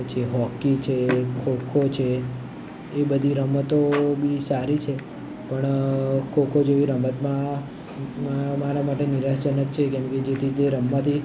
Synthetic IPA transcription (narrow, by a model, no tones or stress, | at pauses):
t͡ʃʰeɦɔkit͡ʃʰekʰokʰot͡ʃʰeː | bəd̪ʱiɾəmət̪obisaɾit͡ʃʰe | pəɳkʰokʰod͡ʒeʋiɾəmət̪mã | maɾamaʈeniɾaʃt͡ʃənəkt͡ʃʰekɛmked͡ʒet̪ʰit̪eɾəmːat̪ʰi